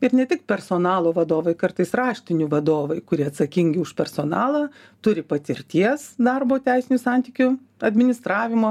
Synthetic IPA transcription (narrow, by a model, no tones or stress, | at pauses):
ɪɾnʲɛt̪ʲɪk̚pʲɛrsoːnɑːlˠoːʋɐd̪oːʋɐɪkɐɾt̪ɐɪsrɑːʃʲt̪ʲɪnʲʊʋɐd̪oːʋɐɪkʊɾʲiɐt̪sɐkʲɪŋʲɡʲɪʊʃpʲɛrsoːnɑ̰ːlˠɑː | t̪ʊɾʲɪpɐt̪ʲɪɾʲt̪ʲiɛsd̪ɐrboːt̪ʲæɪsʲɪnʲʊsɑnʲt̪ʲiːkʲʊ | ɐd̪ʲmʲɪnʲɪst̪ɾɑːʋʲɪmoː